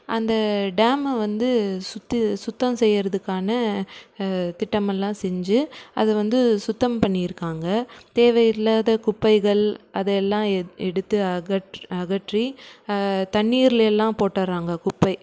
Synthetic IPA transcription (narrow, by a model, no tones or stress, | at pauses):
ʔɐnd̪ɐɖaːmɐʋɐnd̪ɯsʊt̪ːɯsʊt̪ːɐmsɛjːɪɾɐðɯkːaːnɐ | t̪ɪʈːɐmɛlːãːsɛɲd͡ʒɯɐ̰ðɐʋɐnd̪ɯsʊt̪ːɐmpɐɳːijɪɾɯkːaːŋɡɐt̪eːʋɐjɪlːaːðɐkʊpːɐɪɣɐɭɐðɛɛlːãːɛɽɯt̪ːɯɐɐʈɐɣɐʈri | t̪ɐɳːiːɾɪlɛlːãːpoːʈːɐɾaːŋɡɐkʊpːɐɪ